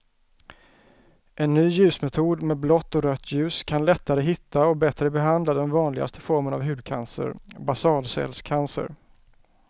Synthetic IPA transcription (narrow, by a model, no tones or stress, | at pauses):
ʔɛnːyːjʉ̟ːsmɛt̪ʰuːd̪mɛːblɔt̪ːɔɾœt̪ʰːjʉ̟ːskʰanlɛt̪ːaɾəɦɪt̪ːaɔbɛt̪ɾəbɛɦand̪lad̪ɛnvɑːnlɪɡa̰st̪ə̥fɔɾməna̰vɦʉ̟ːd̪̚kʰa̰nsə̰ɾbasɑːlsɛ̰lskʰansə̰ɾ